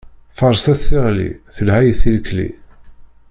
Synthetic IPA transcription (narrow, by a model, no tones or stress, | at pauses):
fəɾˤst̪æθːɪʁlḭθəlhæjθilklḭ